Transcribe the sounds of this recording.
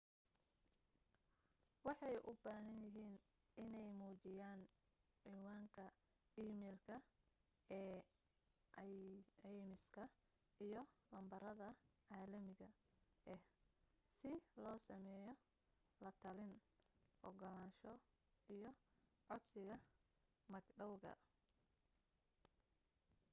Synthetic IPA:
wɑħɑjʔʊ̰baːɦɐnjɪɦiːn | ɪnɛjmuːt͡ʃɪjaːn | ʕiːwaːŋkʰɐ | iːmɛːlkʰɐ | ɛː | ɛjmɪskʰɐ | ijɔlɐmbɐɾɐðɐʕaːlɐmɪɣɐ | ɛh | sɪlɔːsɐmɛːjɔ | lɐt̪ʰɐlɪnhɔ̰ɡɔlaːnʃɔ | ijɔ | ʕɔd̪sɪɣɐ | mɐɡɖɐwɣɐ̰

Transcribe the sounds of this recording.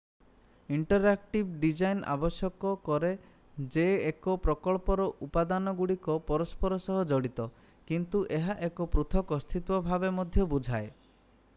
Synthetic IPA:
iɳʈɔɾak̚ʈibɖid͡ʒajna̰bɔsjɔkɔkɔɾe | d͡ʒeːkɔpɾɔkɔɭpɔɾɔʔupad̪anɔɡuɽikɔpɔɾɔspɔɾɔsɔɦɔd͡ʒɔɽit̪ɔ | kint̪uʔeɦaʔekɔpɾut̪ʰɔkɔst̪ʰit̪wɔbʱabemɔd̪ʱjɔbud͡ʒʱae

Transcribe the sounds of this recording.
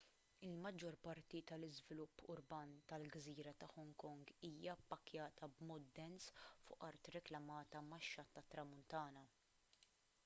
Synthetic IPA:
ɪlmɐd͡ʒːɔɾpɐɾt̪it̪ɐlɪzvɪlʊpːʊɾbɐːnt̪ɐlɡziːɾɐt̪ɐħɔŋkɔŋɡiːjɐɐpːɐkjɐːt̪ʰɐbmɔːt̪̚d̪ɛnsfʊʔɐɾt̪ɾɪklɐmɐːt̪ɐmɐʃːɐt̪ːɐt̪ːɾɐmʊnt̪ɐːnɐ

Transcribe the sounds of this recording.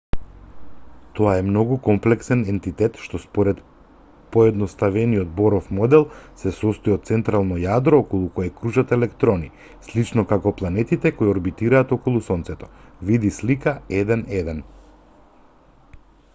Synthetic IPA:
t̪ɔaɛmnɔɡukɔmplɛksɛnɛnt̪it̪ɛt̪ʃt̪ɔspɔɾɛt̪ | pɔɛd̪nɔst̪avɛniɔt̪̚bɔɾɔfmɔd̪ɛlˠsɛsɔst̪ɔiɔt̪̚t̪sɛnt̪ɾalˠnɔjad̪ɾɔːkɔlˠukɔjɛkɾuʒat̪ɛlɛkt̪ɾɔni | slit͡ʃnɔkakɔplˠanɛt̪it̪ɛkɔiɔɾbit̪iɾaːt̪ɔkɔlˠusɔnt̪sɛt̪ɔ̥vid̪islikaɛd̪ɛnɛd̪ɛn

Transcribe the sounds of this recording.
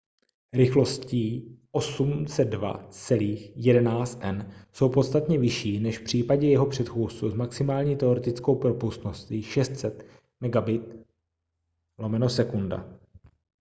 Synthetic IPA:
ɾɪxlo̞sciːʔo̞sumt͡sɛd̪̚va̰t͡sɛliːxjɛdɛnaːt͡st̪ʔɛnso̞wpo̞t̪st̪at̪ɲɛvɪʃiːnɛʃfpr̝̥iːpaɟɛjɛɦo̞pr̝̥ɛt̪xuːst͡suzmaksɪmaːlɲiːt̪ɛo̞ɾɛt̪ɪt͡sko̞wpɾopust̪no̞st̪iːʃɛst̪sɛt̪ | mɛɡabɪt̪̚ | lo̞mɛno̞sɛkunda̰

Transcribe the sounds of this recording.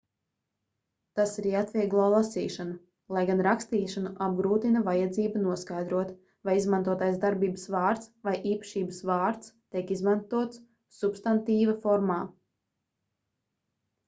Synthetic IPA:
t̪asiɾiat̪vʲiɛɡlˠɔːlˠasḭːʃanu | lˠajɡanɾakst̪iːʃanuʔab̚ɡɾuːt̪inavajad̪ziːbanuɔskajd̪ɾuɔt̪ | vajizmant̪uɔt̪ajzd̪aɾbiːbəsvɑːɾt̪svajʔiːpɐ̥ʃiːbɨsvaːɾt̪st̪iɛkizmant̪uɔt̪sː | ubst̪ant̪iːvafɔɾmaː

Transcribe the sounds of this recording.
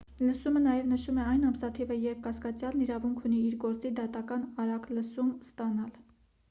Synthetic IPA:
ləsumənɑjɛvnəʃumɛɑjnɑmsɑt̪ʰivəjɛɾp̚ʰkɑskɑt͡sjɑlniɾɑvuŋkʰuniiɾɡɔɾt͡sid̪ɑt̪ɑkɑnɑɾɑkləsumst̪ɑnɑl

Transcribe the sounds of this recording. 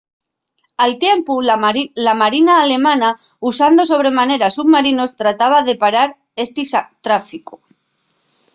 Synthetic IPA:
alt̪je̞mpulamaɾinaːle̞mãna | usand̪o̞so̞β̞ɾe̞mane̞ɾasuβmaɾino̞st̪ɾat̪aβ̞aðe̞paɾaɾ | e̞st̪isat̪ɾafiku

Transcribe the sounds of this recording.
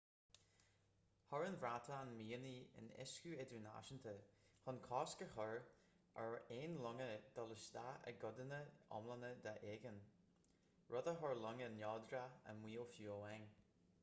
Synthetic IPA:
hɔɹənvɹat̪ʰəːnmiːəniə̰nɛ̰skuɛd̪əna̰ʃənt̪ʰəhʊnkʰɔːskəhɔɹ | ʔɛɹeːnlʊŋəd̪̥ɔləsd̪aə̰ɡʊd̪ənəɔ̰mlənəd̪aʔeːɡən | ɹɔd̪əɦɔɹlʊŋənjɔːd̪ɾaə̰mwiːlfjuːlɛŋ

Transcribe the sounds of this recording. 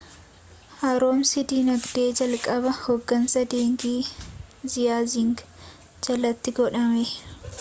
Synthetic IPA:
haːɾoːmsɪd̪iːnɐɡd̪e̞ːd͡ʒɐlkʼɐbɐhoɡːɐnsɐd̪eːŋɡiːzɪjaːzɪŋɡ | d͡ʒɐlɐt̪ːɪɡɔᶑɐmɛ

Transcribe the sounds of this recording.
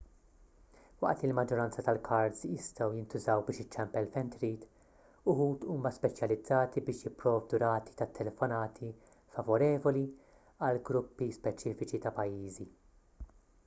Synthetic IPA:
wɐ̰ʔt̪lɪlmɐd͡ʒːɔɾɐnt͡sɐt̪ɐlkʰɐɾzjɪst̪ɐwjɪnt̪ʊzɐwbɪːʃɪt͡ʃːɛmpɛlfɛnt̪ɾiːt̪ | ʊhuːt̪uːmɐspɛt͡ʃjɐlɪd͡zːɐːt̪ibɪːʃjɪpːɾɔːvd̪uɾɐːt̪i̥t̪ɐt̪ʰːɛlɛfɔnɐːt̪ʰi | fɐvɔɾɛːvɔli | ɐlɡɾʊpːispɛt͡ʃiːfɪt͡ʃit̪ɐpɐjːiːzi

